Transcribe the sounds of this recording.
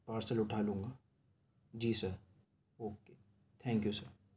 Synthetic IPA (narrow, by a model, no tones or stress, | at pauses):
paːɾsəlʊʈʰaːlũːŋɡaː | d͡ʒiːsɐɾ | ɦoːke | t̪ʰɛ̃ːŋkjusɐɾ